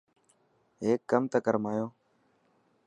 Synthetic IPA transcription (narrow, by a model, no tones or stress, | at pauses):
ɦeːkːəmt̪əkəɾmaːjoː